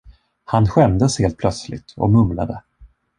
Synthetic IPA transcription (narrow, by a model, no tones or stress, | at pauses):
hanɧɛmd̪əsheːlt̪̚pʰlœt̪slɪ̰ɡt̪ɔ̰mɵmla̰d̪ə